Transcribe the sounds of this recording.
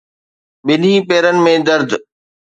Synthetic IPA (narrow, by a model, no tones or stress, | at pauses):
ɓɪn̤ipeːɾənɪ̆mẽd̪ɐɾd̪ʱ